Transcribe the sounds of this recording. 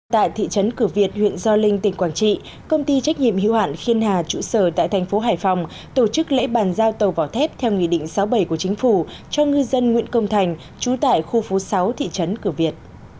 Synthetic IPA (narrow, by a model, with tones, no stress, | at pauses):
t̪a̰ː˧˨jt̪ʰḭ˧˨t͡ɕə˨˦nkɨ˧˩vi˨˩ət̚hwḭ˧˨ənzɔ˧lï˧ŋ̟t̪ï̟˨˩kwaː˧˩nt͡ɕḭ˧˨ | kə˧wŋ͡mt̪i˧t͡ɕa˦˥k̚ɲḭ˧˨əmhḭ˧˨wha̰ː˧˨nxi˧ənhaː˨˩t͡ɕṵ˧˩səː˧˩t̪a̰ː˧˨jt̪ʰa˨˩jŋ̟fo˨˦ɦaː˧˩jfa˨˧˩wŋ͡m | t̪o˧˩t͡ɕɨ˦˥k̚lḛ˧˥ɓaː˧˩nzaː˧wt̪ə˨˩wvaː˨˩wt̪ʰɛ˦˥p̚t̪ʰɛ˧wŋḭ˧˨ɗḭ˧˨ŋ̟sa˨˦wɓə˧˩jku˧˩ət͡ɕï˨˦ŋ̟fu˧˩ | t͡ɕɔ˧ŋɨ˧zə˧nŋwḭ˧˥ənkə˧wŋ͡mt̪ʰa˨˩jŋ̟ | t͡ɕu˨˦t̪a̰ː˧˨jxu˧fu˨˦sa˨˦wt̪ʰḭ˧˨t͡ɕə˨˦nkɨ˧˩vi˨˩ət̚